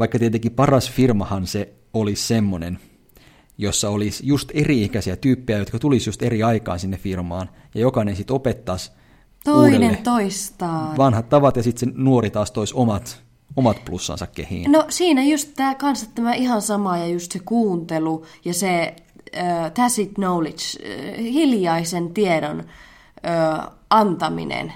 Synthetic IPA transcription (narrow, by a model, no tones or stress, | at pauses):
ʋɑikːɑt̪et̪ekipɑrɑsfirmɑhɑnse | olissemːonen | josːɑolisjust̪eriikæsiæt̪yːpːejæjot̪kɑt̪ulisjust̪eriɑikɑ̰ːnsinːeffirmɑːn | jɑjokɑinensit̪opet̪ːɑs | t̪oilnent̪oist̪ɑːʋɑnhɑt̪tɑʋɑt̪jɑsit̪senuorit̪ɑːst̪oisomɑt̪ | omɑt̪plusːɑ̰̃nsɑkkehḭːnnosiːnæjust̪t̪ːæːkɑnsɑt̪ːæmæʔihɑnsɑmɑjɑjust̪sekuːnt̪elujɑse | ət̪æsit̪noulit͡ʃhiljɑisent̪ieɾon | øːʔɑnt̪ɑmḭnḛn